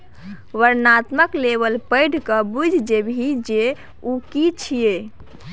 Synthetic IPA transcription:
ʋəɾnat̪məklebəlpəɪɽ̤ʱkəbud͡ʒʱd͡ʒebʱid͡ʒe | ukit͡ʃʰije

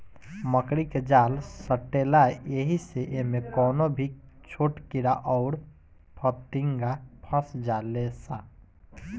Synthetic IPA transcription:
məkɾiked͡ʒaːlsəʈːelaeɦiseʔemekɔːnobʱit͡ʃʰoʈkiɾaʔɔʊɾ | pʰət̪iŋɡapʰə̃sd͡ʒalesa

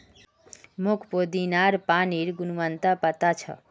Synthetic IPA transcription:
mokʰpod̪inaɾpaniɾɡunʋənt̪apət̪at͡ʃʰʌ̰

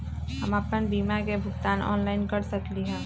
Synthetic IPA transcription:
ɦɐməpənbiːmakebʱʊkt̪aːnɔ̰ːnlaːɪnkɐɾsəkliɦɛ̃ː

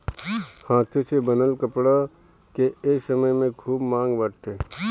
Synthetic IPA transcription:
hãːt̪ʰesebənəlkəpɽa | keeːsəməjmẽkʰuːbmãːŋɡbəʈt̪eː

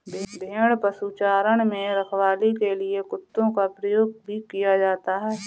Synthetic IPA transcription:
bʱd̪ʱeːɽ̃pəsut͡ʃaːɾəɽ̃mẽɾɐkʰwaːlikeliekʊt̪ːõkapɾəjoːɡ̚bʱikijad͡ʒaːt̪aɦɛː

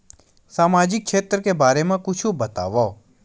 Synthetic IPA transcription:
saːmaːd͡ʒɪk̚ːkʃʰeːt̪ɾəkebaːɾemãkʊt͡ʃʰũbət̪a̰ːʋa

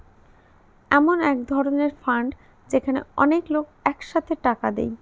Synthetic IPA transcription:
ɛmonɛkd̪ʱɔɾoneɾfaɳɖ | d͡ʑekʰanḛɔ̰neklokɛkʃat̪ʰeʈakad̪ḛj

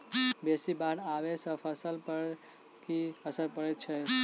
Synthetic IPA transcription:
besibaɽaʋesə̃pʰəsəlpəɾ | kiəsəɾpəɾɛt̪̚t͡ʃʰɛ

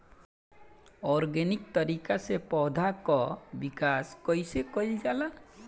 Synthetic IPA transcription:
ɔɾɡenikt̪ɔɾikasepɔd̪ʱakɔbikaskɔjsekɔid͡ʒala

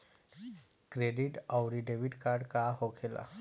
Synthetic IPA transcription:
kɾeɖiʈawɾiɖeʋiʈkaɾɖkaɦokʰela̰

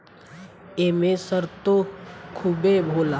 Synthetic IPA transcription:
eːmẽsəɾt̪okʰubebʱoːla

